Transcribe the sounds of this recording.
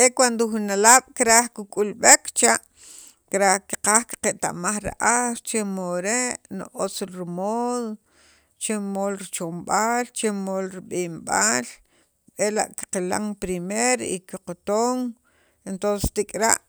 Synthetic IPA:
ekwand̪oxunalaːɓ̥kiɾaχkukʼulɓekt͡ʃaʔ | kɾahki̥qaːxki̥qeʔt̪a̰maχɾa̰ʔaɾt͡ʃemoɾeʔnoʔot͡slɾimoːðo | t͡ʃemolɾit͡ʃomɓaːlt͡ʃemolɾiɓimɓaːl | ela̰ʔki̥qila̰ŋpɾimeɾikiqot̪oŋ | ent̪onsest̪ikʼɾaʔ

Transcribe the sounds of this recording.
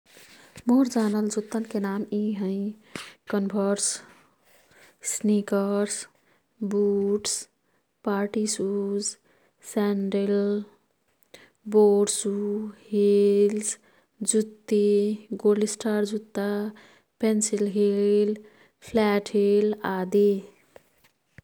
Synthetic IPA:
moɾd͡ʒaːnəld͡ʒut̪ːənkenamiɦə̃ɪkənbʱəɾs | snikəɾs | buːʈs | paːɾʈisuz | sɛɳɖel | boːɖsuhils | d͡ʒut̪ːiɡoːlɖɪsʈaːɾd͡ʒut̪ːa | pensilɦil | pʰlɛːʈʰɦilaːd̪i

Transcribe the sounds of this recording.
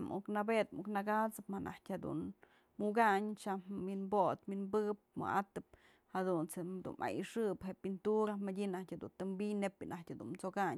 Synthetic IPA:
muknabet̪muknaɡat͡sɨpmanʔa̰htʲhed̪ṵn | muɡaɲt͡ʃamːinbot̪minbɨɨp̚mɨ̰ʔat̪ɨp̚ | had̪unt͡sed̪ṵnʔa̰jiʂɨpɦeʔpint̪uɾamadʲinahtʲhed̪ṵnt̪ɨmbijnepinʔahtʲad̪unmt͡sokaɲ

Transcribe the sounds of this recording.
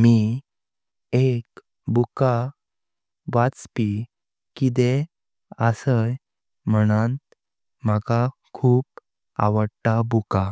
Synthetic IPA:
mi | ek | buka | ʋat͡spi | kit̪̬e | əsəj | m̤əɽ̃ãnt̪ | maka | kʰuːp̚ | a̰ʋəɽʈabuka

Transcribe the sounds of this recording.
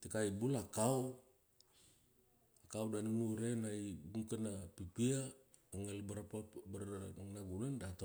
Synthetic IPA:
t̪ikaibulakau | kaudanimuɾenaibuŋkənapipia | əŋəlbəɾapabərŋnaɡulandat̪a

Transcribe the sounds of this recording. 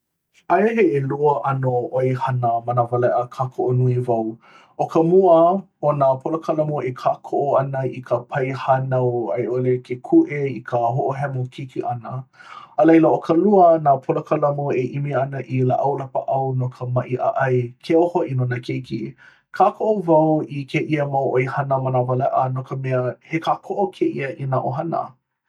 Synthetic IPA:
ajeɦeeluəʔɐnooehanəmɐnəvɐlɛʔəkʰakʰoʔonuivɐw | ʔokəmuə | onapʰolɐkʰalɐmoʔekʰaːkʰoʔoɐnəikʰəpʰɐjhanawa̰jʔolekʰekʰuʔeikʰəɦoʔoɦɛmokʰikiʔɐnəəlɐjləokʰəluənapʰoləkɐlɐmoeʔimiɐnəʔilaʔɐwlɐpəʔɐwnokʰəmɐʔiʔa̰ʔɐjkʰeohoʔinonəkʰejkḭ | kʰaːkʰoʔovɐwikʰeʔiəmawʔojhɐnəmanavəlɛʔənokəmɛəhekʰaːkʰoʔokʰeʔiəʔinaʔoɦɐnə̰

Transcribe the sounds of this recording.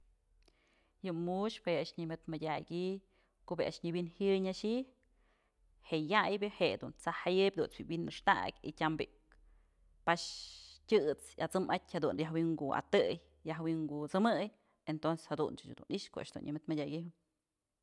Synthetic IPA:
jɨmuʃpeaʔʃɲɨmʲɨt̪mɨdʲaɡʲi | koʔbeʔa̰ʔʂɲɨbinhɨjɲaʃi | heʔjajbʲɨheʔd̪unt͡sahajɨbʲd̪unt͡swiwinːɨʂt̪a̰kʲḭtʲambiʔk | paʃtʲɨt͡sjat͡sɨmatʲhad̪unjaɦwiŋɡua̰t̪ɨj | jaɦwiŋɡut͡sɨmɨj | ent̪onse̥shad̪ṵnt͡ʃad̪ṵnʔiʔʃkoʔa̰ʔʃd̪ṵnɲʔɨmʲɨt̪madʲaʔɡʲiɦɨ

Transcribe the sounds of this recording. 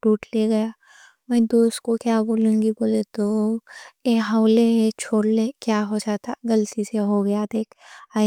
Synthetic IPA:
ɖuːʈleɡɐja | mɛ̃ːd̪oːskokjaːboːlũːŋɡiboːlet̪o | keɦaʊlet͡ʃʰoːɽlekjaːɦod͡ʒat̪ʰaɡɐlt̪iseɦoɡɐjad̪eːka

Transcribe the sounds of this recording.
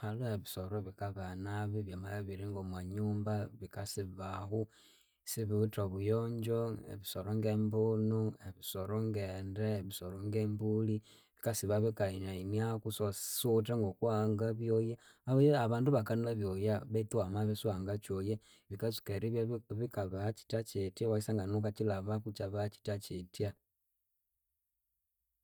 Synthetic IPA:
haloeβisoɾoβikaβanaβiβjamalaβiɾiŋɡomwaɲuːmbaβikasiβahu | siβiutoβujoɲd͡ʒoḛβisoɾoŋɡembonueβisoɾoŋɡeːndeβisoɾoŋɡembuli | βikasiβaβikainainjakusosutaŋɡokuaːŋɡaβjoja | aβaβaːnduβakanulaβjojaβetwamaβisuaːŋɡat͡ʃoje | βikasi̥keɾiββikaβat͡ʃi̥tat͡ʃetiawaisaŋɡanokat͡ʃilaβakut͡ʃaβat͡ʃi̥tat͡ʃetia

